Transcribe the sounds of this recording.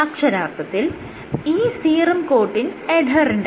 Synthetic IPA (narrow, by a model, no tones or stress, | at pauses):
ɐkʂɐɾaːrt̪ɐt̪ːil | iːsiːrɐmkoːʈːineɖʱɐriɳɖ